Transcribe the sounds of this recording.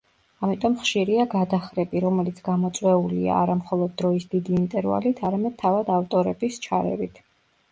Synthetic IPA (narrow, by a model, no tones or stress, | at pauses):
amit̪ʼɔmχʃiɾiaɡad̪aχɾɛbiɾɔmɛlit̪sʰɡamɔt̪sʼwɛulḭa̰ːɾamχɔlˠɔd̪̚ːɾɔisd̪id̪iːnt̪ʼɛɾva̰lit̪ʰaɾamɛd̪̚t̪ʰːavad̪aft̪ʼɔɾɛbist͡ʃʰa̰ɾɛ̰vit̪ʰ